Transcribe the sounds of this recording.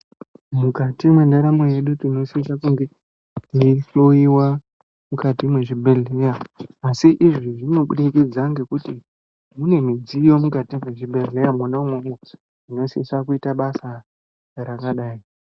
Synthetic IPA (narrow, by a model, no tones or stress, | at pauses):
mukatimwe̞ndaɾameje̞ɗutino̞siisakuŋɡe̞ | iɬoiwa | mukatimwe̞ʐibʱeɮejaːsiʔiʐiʐino̞ɓuɗikid͡zaŋɡe̞kuti | mune̞mid͡zijo̞mukatimwe̞ʐibʱeɮejamwonaumwomo | ino̞sisakuitaɓasa | rakaɗaːi